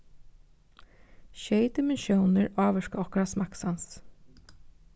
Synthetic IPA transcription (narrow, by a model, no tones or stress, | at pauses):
ʃeɪd̪ɪmɛnʃjuʊnəɹɑːʋəʃkəɔkɹɑsmɑksɑns